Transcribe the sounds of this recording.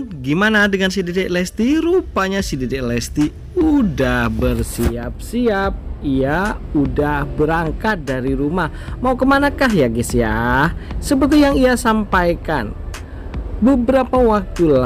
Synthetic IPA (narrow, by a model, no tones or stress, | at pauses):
ɡimanadəŋansididɛlɛst̪iɾupaɲasididɛlɛst̪i | udahbərsiap̚siap̚iaudahbəɾaŋkat̪̚daɾiɾumahmaukəmanakaɦjaɡisja̰ | səpərt̪ijaŋiasampajka̰n | bəbəɾapawak̚t̪ula